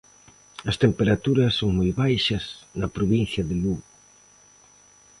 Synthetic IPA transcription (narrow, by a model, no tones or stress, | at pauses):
ɐst̪empeɾat̪uɾɐsːoŋmojβajʃɐsnɐpɾoβin̟θjɐðɪluɣo